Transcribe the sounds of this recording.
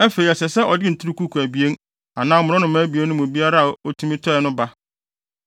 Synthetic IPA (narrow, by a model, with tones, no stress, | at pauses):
æ˦fe˨ɾi˨ɛ˨sɛ˨sɛ˦ʔɔ˨dɪ˦n̩˨tʰu˦ɾu˦ku˦kʰu˨æ˨bi˨e˦n | a˨nãː˦mʊ̃˨ɾ̃ʊ̃˦nʊ̃˨mãː˨˦bi˨e˦n˦ʊ̃˦mʊ̃˨bi˦a˦ɾa˦a˨o˦tʰũ˦mĩ˦tʰɔ˦ɛ˨nʊ̃˦ba˦